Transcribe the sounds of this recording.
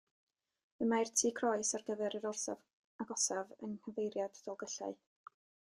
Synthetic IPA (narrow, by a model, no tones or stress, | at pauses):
əmartʰiːkʰrɔɨsarɡəvɛɾəɾɔrsa̰v | aɡɔsavə̰nhəvejɾjad̥d̥ɔlˠɡəɬa̰ɨ